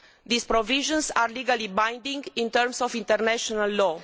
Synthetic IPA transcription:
d̪ispɾoviʒə̃nsarliɡalibãj̃nd̪ĩŋɡĩnt̪əɾmsofĩnt̪ərnaʃonalːo

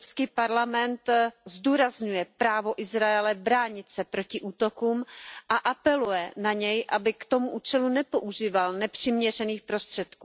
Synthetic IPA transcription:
pskiːpaɾlamɛnt̪zduːɾazɲujɛpɾaːvo̞ʔɪzɾaɛlɛbɾaːɲɪt̪t͡sɛpɾo̞cɪʔuːt̪o̞kuːmʔaʔapɛlujɛnaɲɛjʔabɪkt̪o̞muʔuːt͡ʃɛlunɛpo̞ʔuʒiːvalnɛpr̝̥ɪmɲɛr̝ɛniːxpɾo̞st̪r̝̥ɛt̪kuː

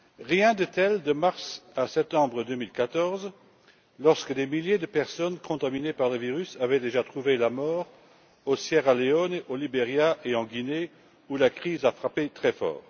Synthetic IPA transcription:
ʁjɛ̃d̪ət̪ɛld̪əmaʁsasɛp̚t̪ɑ̃bʁəd̪ømilkat̪ɔʁz | lɔʁskəd̪emiljed̪əpɛʁsɔnkɔ̃t̪aminepaʁləviʁysavɛd̪eʒat̪χuvelamɔːʁ | osjɛʁaleɔneʔolibeʁjaʔeɑ̃ɡine | ulakχizafχapet̪χɛfɔ̰ːʁ

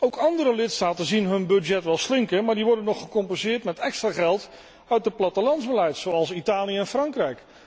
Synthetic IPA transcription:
owkɑndəɾəlɪtstaːtənzinɦɵnbɵdjɛtʋɛlˠslɪŋkənmaːɹdiʋɔɹdənːɔχəkɔmpɛnzɪːɹtmɛtɛkstraːχɛlˠt | œɥt̚dəplɑtəlɑnzbəlɛjtsowɑlˠsitaːlijəɛnfrɑŋkrɛjk

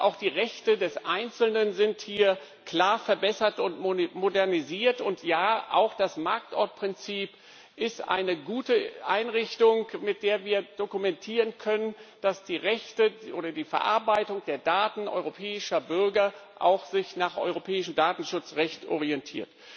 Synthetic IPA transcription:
ʔa̰ʊxd̥iːʁɛçtədɛsʔaɪnt͡sl̩nənzɪnthiːɐ | kl̥aːɐfɛɐbɛsɐtʊntmodɛɐniziːɐtʊntʰjaːʔa̰ʊxd̥asmaɐk̚tʔɔɐt̚pʁ̥ɪnt͡siːp | ʔɪstʔa̰ɪnəɡuːtəʔa̰ɪnʁɪçtʊŋmɪt̚d̥eːɐviːɐd̥okumɛntʰiːʁənkʰœnənd̥asd̥iːʁɛçtəʔoːɾɐdiːfɛɐʔa̰ɐbaɪtʊŋd̥eːɐdaːtn̩ʔɔ̰ʏʁopʰɛːɪʃɐbʏɐɡɐʔa̰ʊxz̥ɪçnaːχʔɔ̰ʏʁ̞opʰɛːɪʃəm̩daːtn̩ʃʊt͡sʁɛçtʔɔ̰ʁiɛntʰḭːɐt

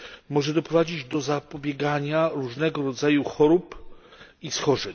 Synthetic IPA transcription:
mɔʐɛd̪ɔpɾɔvad͡ʑid͡ʑd̪ɔzapɔbʲjɛɡaɲaɾuʐnɛɡɔɾɔd̪zajuxɔɾup | isxɔʐɛɲ

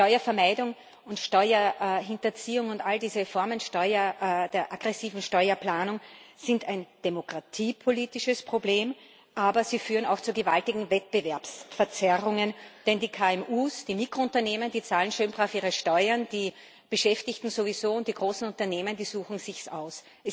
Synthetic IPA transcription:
tɔʏɐfɛɐmaɪdʊŋ | ʊntʃtɔʏɐɦɪntɐt͡siːʊŋʊntaldiːzəfɔɐmənʃtɔʏɐd̥eːɐʔaɡ̥ʁɛsiːvn̩ʃtɔʏɐplaːnʊŋz̥ɪntæɪnd̥emokʁ̥atʰiːpʰoliːtɪʃəspʁ̥obleːm | ʔaːbɐziːfyːʁəna̰ʊxt͡suɐɡəva̰ltɪɡŋ̩vɛt̚b̥əvɛɐpsfɛɐt͡sɛʁʊŋənd̥ɛndiːkʰaːɛmʔuːsd̥iːmikʁ̥oʊ̃ntɐneːməndiːt͡saːln̩ʃøːnbʁafiːʁəʃtɔʏɐnd̥iː | b̥əʃɛftɪçtn̩zovizoːʊnt̚d̥iːɡʁoːsn̩ʊntɐneːməndiːzuːxn̩z̥ɪçsa̰ʊs | ʔɛs

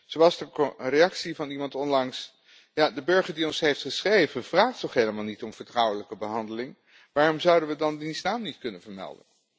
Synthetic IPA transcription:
z̥owɑlˠzdəreɑksivɑnimɑntɔnlɑŋs | jaːdəbɵɹχəɹdiɔnsɦejftχəsχrejvəvraːχtɔχɦejləmaːlˠnitɔmv̥əɹtrʌwələkəbəɦɑndəlɪŋ | ʋaːrɔmzʌwdənʋədɑndinznaːmnitkɵnənvəɹmɛ̰lˠdə̰n

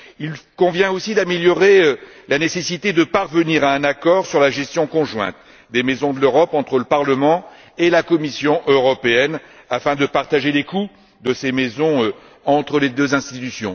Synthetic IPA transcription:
ilkɔ̃vjɛ̃osid̪ameljɔʁeø | lanesesit̪ed̪əpaʁvəniʁaɛ̃nakɔʁsyʁlaʒɛst̪jɔ̃kɔ̃ʒwɛ̰̃t̪ | d̪emezɔ̃d̪əløʁɔpɑ̃t̪χələpaʁləmɑ̃ | elakɔmisjɔ̃ʔøʁɔpeɛn | afɛ̃d̪əpaʁt̪aʒeleku | d̪əsemezɔ̃ø | ɑ̃t̪χəled̪øzɛ̃st̪it̪ysjɔ̃

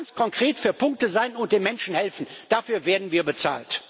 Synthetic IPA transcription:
ant͡skʰɔŋkʁ̥eːtfyːɐpʊŋk̚təzaɪnʊnt̚d̥eːmɛnʃn̩hɛlfn̩d̥afyːɐveːɐdn̩viːɐbət͡sa̰ːlt

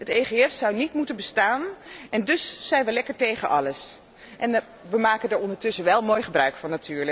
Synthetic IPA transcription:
ɦətejχeɛfsɑwnitmutənbəstaːnʔɛndɵsːɛjnʋəlɛkəɹtejχənʔɑləs | ʔɛn | ʋəmaːkəndaɹɔndəɹtɵsənʋɛlˠmojχəbrœɥkfɑnːatyːɹlə

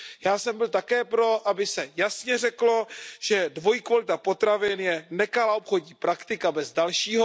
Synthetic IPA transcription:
jaːsɛmbɪlt̪akɛːpɾo̞ʔabɪsɛjasɲɛrɛklo̞ʒ̥ɛdvo̞jikvalɪt̪apot̪ɾavɪnjɛnɛkalaopxo̞dɲiːpɾakt̪ɪkabɛzdalʃiːɦo

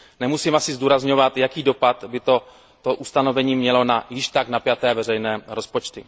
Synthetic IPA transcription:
nɛmusiːmʔasɪzduːɾazɲo̞vat̪jakiːdo̞pat̪bɪt̪o | t̪oʔust̪ano̞vɛɲiːmɲɛlo̞najɪʃt̪aɡnapjat̪ɛːvɛrɛjnɛːɾo̞spo̞t͡ʃt̪ɪ

